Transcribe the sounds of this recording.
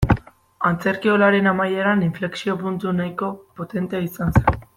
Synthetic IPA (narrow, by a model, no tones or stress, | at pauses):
ant͡se̞ɾkio̞laɾe̞namaje̞ɾaniɱfle̞ksio̞punt̪unajko̞po̞t̪e̞nt̪e̞aisansen